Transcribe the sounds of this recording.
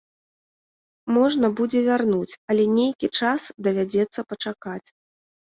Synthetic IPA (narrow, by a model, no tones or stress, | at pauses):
mɔʐnɐbud͡zʲɛvʲarnut͡sʲɐlʲɛnʲejkʲit͡ʂasd̪ɐvʲad͡zʲɛt̪sːɐpɐt͡ʂakat͡sʲ